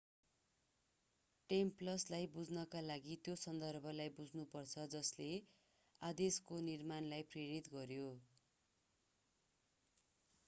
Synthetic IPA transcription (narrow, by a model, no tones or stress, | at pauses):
ʈemplʌslajbud͡znʌkalaɡit̪josʌnd̪ʌrbʱʌlajbud͡znupʌrt͡sʰʌd͡zʌsle | ad̪eskonirmanlajpreɽit̪ɡʌɾjo